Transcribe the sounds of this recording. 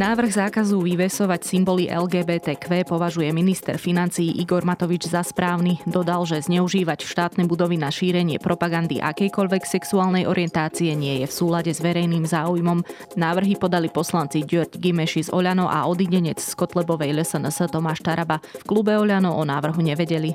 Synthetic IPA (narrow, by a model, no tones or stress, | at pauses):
naːʋr̩ɣzaːkazuʋiʋɛsɔʋacsimbɔliʔɛ̰lɡɛːbɛːt̪ɛːkʋɛːpɔʋaʒujɛminist̪ɛ̰ɾfinant͡siːʔiɡɔɾmat̪ɔʋid͡ʒzaspɾaːʊnid̪ɔd̪alʒɛzɲɛuʒiːʋacʃt̪aːt̪nɛbud̪ɔʋinaʃiːɾɛɲɪɛ̰pɾʔɔpaɡand̪ḭʔa̰kɛjkɔʎʋɛksɛksuaːlnɛjʔɔɾɪɛnt̪aːt͡siɛɲɪɛjɛfsuːlaɟɛzʋɛɾɛjniːmzaːujmɔm | naːʋr̩ɦipɔd̪alipɔslant͡siɟɔɾɟɡimɛʃizɔ̰ʎanɔʔa̰ʔɔd̪iɲɛɲɛt͡sskɔt̪lɛbɔʋɛjlɛsɛnɛst̪ɔmaːʃt̪aɾabafklubɛɔʎanɔʔɔnaːʋr̩ɦuɲɛʋɛɟɛli